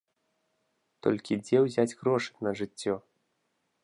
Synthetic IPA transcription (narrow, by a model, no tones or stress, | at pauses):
t̪ɔ̰lʲkʲid͡zʲɛwzʲad͡zʲɣɾɔʂɨ̥nɐʐɨt͡sʲːɔ